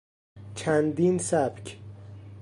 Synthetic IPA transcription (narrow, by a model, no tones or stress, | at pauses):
t͡ʃʰænd̪insæb̥cʰ